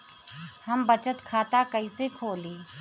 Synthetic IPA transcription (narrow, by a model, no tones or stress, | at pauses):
hɐmbət͡ʃət̪kʰaːt̪akɐisekʰoːliː